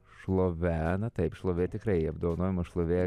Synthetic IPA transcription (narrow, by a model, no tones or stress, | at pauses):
ʃlˠoːʋʲæːnɐt̪ɐɪpʃlˠoːʋʲeːt̪ʲɪkɾɐɪɐbd̪oːʋɐnoːjɪmɐʃlˠoːʋʲeː